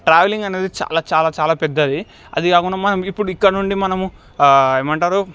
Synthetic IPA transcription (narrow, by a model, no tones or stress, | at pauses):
ʈɾaːʋeliŋɡɐne̞ːd̪it͡ʃa̰ːlaːt͡ʃaːlaːt͡ʃaːlaːpɛd̪ːɐd̪i | ɐ̰d̪ikaːkuɳːaːmɐnɐmuipːuɽuikːɐɽɐnuɳɖimɐnɐmu | ɐːmɐɳʈaːɾu